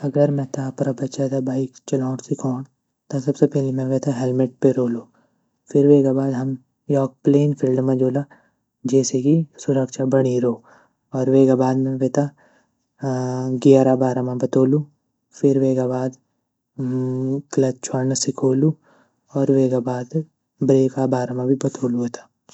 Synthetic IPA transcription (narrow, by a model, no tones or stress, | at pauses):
ɐɡəɾmɛ̃t̪aːpɾabɐtːʃat̪abaːɪkt͡ʃɐlɔːɽsɪkʰoːɳ̃ | t̪asɐbsepɛːlemɛ̃ʋeːt̪ʰaɦelmɪʈ̚peɾoːluː | fɪɾʋeːɡabaːd̪ɦɐm | jɔːk̚pleːnpʰɪlɖmãd͡ʒoːla | d͡ʒɛːsekisʊɾəkʃabɐɽ̃iɾoː | ɔːɾʋeːɡabaːd̪mẽʋeːt̪a | ɡɪjaɾabaːɾamãbɐt̪oːlu | fɪɾʋeːɡabaːd̪ | klɐt͡ʃʰwaːnsɪkʰoːlu | ɔːɾʋeːɡabaːd̪ | bɾeːkabaːɾamãbʱibɐt̪oːluʋeːt̪ʰḁː